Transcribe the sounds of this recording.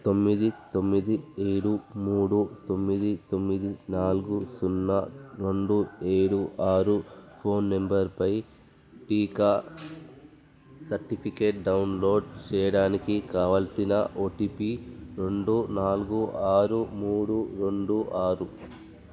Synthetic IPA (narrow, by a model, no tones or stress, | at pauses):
t̪o̞mːid̪it̪o̞mːid̪ieːɽumuːɽut̪o̞mːid̪it̪o̞mːid̪inaːluɡusunːɐɾe̞ɳɖue̞ːɽuʔaːɾupʰo̞ːnːembɐɾpɐj | ʈiːkaː | sɐɾʈipʰikeːʈ̚ɖɐwnlo̞ːɖt͡ʃɛːjɐɽaːnikikaːʋɐlsinɐ̰ʔoːʈipiɾe̞ɳɖunaːluɡuʔaːɾumuːɽuɾe̞ɳɖuʔaːɾu